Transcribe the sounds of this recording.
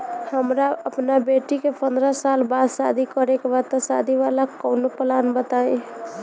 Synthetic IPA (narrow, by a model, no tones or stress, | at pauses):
həmɾaəpnabeʈikepənd̪ɾəsalbad̪sad̪ʱikəɾekebat̪əsad̪ʱiʋalakɔnopəlanbət̪aĩ